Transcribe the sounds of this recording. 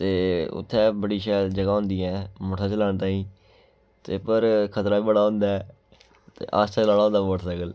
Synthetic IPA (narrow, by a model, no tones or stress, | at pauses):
t̪eːʊ̰t̪ʰːɛːbəɽiːʃɛːld͡ʒəɡaːɦʊ̃nd̪iːɛ̃ːmoːʈʰaːt͡ʃəlaːɳt̪ãːĩː | t̪eːpəɾkʰət̪ɾaːiːbəɽaːɦʊ̃nd̪aɛː | t̪ḛːʔaːst͡ʃat͡ʃəlaːɽaːõnd̪aːəʈsəɡəl